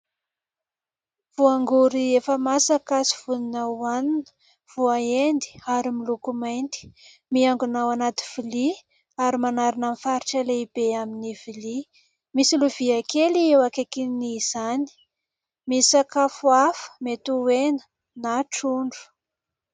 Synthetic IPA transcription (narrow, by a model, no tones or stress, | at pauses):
v̥uaŋɡuɾiefəmasakasi̥v̥uninaaninə̥ | v̥uaend̪i̥aɾimilukumajnt̪i̥ | miaŋɡunawanat̪iv̥ili | aɾimanaɾinamfaɾiʈ͡ʂəleib̥eaminiv̥ili | misiluviakeliewakekiniz̥ani̥ | misakafuafə̥met̪uwenə̥ | naʈ͡ʂuɳɖ͡ʐu̥